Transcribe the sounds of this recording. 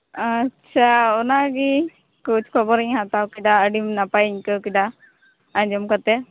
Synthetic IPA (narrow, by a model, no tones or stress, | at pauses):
at͡ʃʰaɔnaɡi | kut͡ʃkʰɔbɔɾiɲɦat̪awkid̪aəɖimnapajiɲkəwkid̪a | aɲd͡ʒɔmkɔt̪ɛ